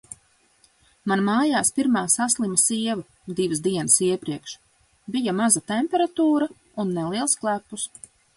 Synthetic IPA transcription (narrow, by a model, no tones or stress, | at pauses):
manmaːjaːspiɾmaːsaslˠimasiɛvu | d̪ivɨsd̪iɛnɨsiɛpɾiɛkʃ | bijamazat̪emʲpʲɛɾat̪uːɾa | unːɛliɛlˠsklˠæpːus